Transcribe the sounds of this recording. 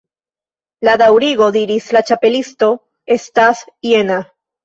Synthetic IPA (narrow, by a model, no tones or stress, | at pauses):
ladawɾiɡo̞d̪iɾislat͡ʃape̞listo̞ | e̞stasje̞na